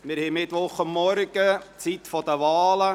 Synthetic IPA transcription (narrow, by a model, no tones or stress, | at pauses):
mɪɾhɛmɪt̪ʋɔχʊmːɔɾɡ̥ət͡sit̪fɔd̪əʋɑːlə